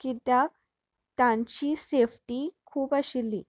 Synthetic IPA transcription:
kit̪ja | t̪ãɲt͡ɕiːsefʈikʰuːpaɕilːiː

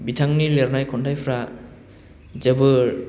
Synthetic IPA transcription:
bitʰaŋnileɾnajkʰɔndajpʰɾa | zəbɯ

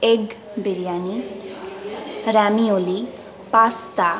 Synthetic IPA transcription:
eɡ | beɾjani | ɾamioli | past̪a

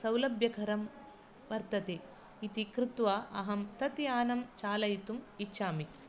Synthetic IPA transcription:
sɐwlɐbjɐkʰɐɾɐm | ʋɐɾt̪ɐt̪eː | it̪ikɾɪt̪ʋaːʔɐɦɐmt̪ɐt̪jaːnɐmt͡ʃaːlɐjt̪umitːʃʰaːmi

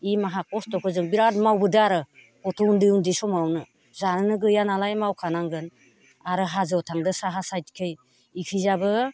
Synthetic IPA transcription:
imaɦakɔstɔkʰɯzɯŋbiɾatmawbɯdɯaɾɯ | kɔtʰɔundɯundisɔmawnɯ | zanɯnɯɡɯjanalajmawkʰanaŋɡɯn | aɾɯɦazɯwtʰaŋdɯsaɦasajtkʰɯj | ikʰɯzabɯ

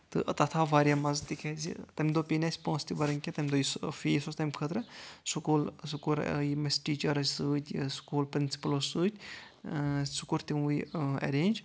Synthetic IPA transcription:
t̪ɨ̰ʔɐ̰t̪ɐt̪ʰaːʋaːɾjaːmɐzt̪ikʰezḭt̪ɐmʲd̪oːpinʲɐsʲpõːst̪ibɐɾɐŋkʲet̪ɐmʲd̪oːjisfiːsost̪ɐmʲkʰət̪ɾɨsukuːlsukuɾ̰jimɐsʈiːt͡ʃɐɾɐzʲsɨːt̪ʲsu̥kuːlpɾinsi̥pɐlosɨːt̪ʲ | sukuɾt̪iujɐ̰ɾeːnʲd͡ʒ

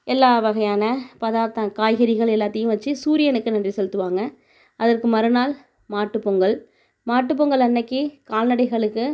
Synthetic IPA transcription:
ʔɛlːaːʋɐɣɐjaːnɐpɐðaːt̪ːɐkaːjɣɐɾɪɣɐɭɛlːaːt̪ːɐjɯ̃mʋɐt͡ʃːɯsuːɾɪjɐnɯkːɯnɐndrisɛlɯt̪ːɯʋaːŋɡɐ | ʔɐðɐrkɯmɐɾɯnaːl | maːʈːɯpːɔŋɡɐɭ | maːʈːɯp̬ːɔŋɡɐɭɐnːɐkːikaːlnɐɽɐɪɣɐɭɯkːɯ

